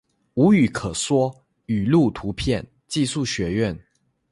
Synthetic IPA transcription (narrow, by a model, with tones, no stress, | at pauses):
u˧˥y˨˩kʰɤ˨˩swɔ˥ | y˨˩lu˥˩t̪ʰu˧˥pʰjɛ˥˨n | t͡ɕi˥˧su˥˩ɕɥɛ˨˧˥ɥɛ˥˨n